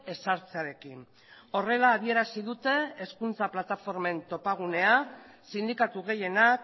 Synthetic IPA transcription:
e̞saɾt͡seaɾe̞kin | o̞re̞laːβ̞ie̞ɾasiðut̪e̞ːskunt͡saplat̪afo̞ɾme̞nt̪o̞paɣ̞une̞a | sind̪ikat̪uɣ̞e̞je̞nak

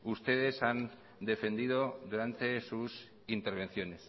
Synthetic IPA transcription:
ust̪e̞ð̞e̞san | d̪e̞fe̞nd̪iðoðuɾant̪e̞sus | int̪e̞ɾβ̞ẽ̞nθjo̞ne̞s

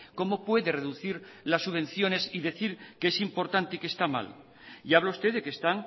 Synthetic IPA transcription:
ko̞mo̞pwe̞ðe̞re̞ðuθiɾlasːuβe̞n̟θjo̞ne̞siðe̞θiɾkeesimpo̞ɾt̪ant̪e̞ikest̪ama̰l | jaβ̞laust̪e̞ðe̞kest̪aŋ

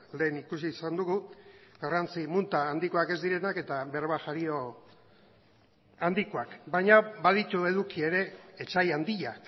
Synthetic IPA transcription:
le̞ːnikusiːsand̪uɣuɡarant͡simunt̪aːnd̪ikoake̞zd̪iɾe̞nake̞t̪aβe̞ɾβaʝaɾio̞ | and̪ikoakbajɲabað̞it̪ue̞ðukie̞ɾe̞ːt͡ʃajand̪iʎak

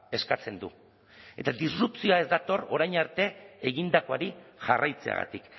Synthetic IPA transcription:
e̞skat͡se̞nd̪ṵ | e̞t̪ad̪isrupt͡sioae̞zd̪at̪o̞ro̞ɾajɲaɾt̪e̞eɣind̪ako̞aɾiʝarajt͡se̞̰a̰ɣa̰t̪ik

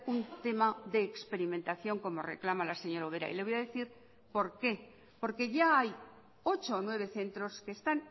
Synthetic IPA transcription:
unt̪e̞maðe̞ːkspe̞ɾimẽ̞nt̪aθjo̞ŋko̞mo̞rḛklamalase̞ɲo̞ɾauβ̞e̞ɾa̰ḭle̞βo̞jaðe̞θiɾ | po̞ɾke̞ | po̞ɾke̞ʝaaj | o̞t͡ʃoːnwe̞β̞e̞θe̞nt̪ɾo̞ske̞ːst̪an

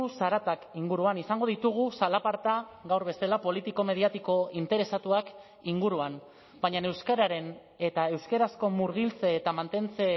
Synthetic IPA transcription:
usaɾat̪akiŋɡuɾuanisaŋɡo̞ðit̪uɣ̞usalapaɾt̪aɣawɾβe̞selapo̞lit̪iko̞me̞ð̞iat̪iko̞int̪e̞ɾe̞sat̪uak | iŋɡuɾuan | b̥aɲane̞wskaɾaɾe̞n | e̞t̪ae̞wskeɾasko̞muɾɣ̞ilt͡se̞ːt̪amant̪e̞nt͡se̞

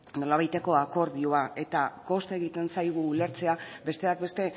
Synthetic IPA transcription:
no̞laβajt̪e̞ko̞ako̞ɾðio̞aʔe̞t̪ako̞st̪e̞ɣ̞it̪e̞nsajɣ̞uːle̞ɾt͡se̞abe̞st̪e̞ak̚be̞st̪e̞

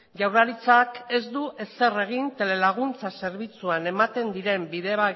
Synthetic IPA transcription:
ʝawɾaɾit͡sake̞zd̪uʔe̞se̞re̞ɣ̞int̪e̞le̞laɣunt͡sase̞ɾβit͡suane̞mat̪e̞nd̪iɾe̞mbiðe̞βa

